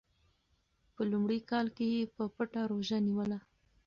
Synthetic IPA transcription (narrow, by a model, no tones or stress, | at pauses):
pəlumɽikɑlkejepəpəʈaɾoʒaniwəla